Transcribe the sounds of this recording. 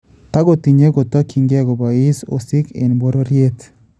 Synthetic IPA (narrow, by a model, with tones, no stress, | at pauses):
t̪a˦ɡo˦˨t̪i˨ɲe˦ɡo˨t̪a˦kʰi˨ŋɡɛ˦ɡo˨ba˨i˦so̰˨si˦kḛ˨nbo˦ɾo˦ɾje˦t̪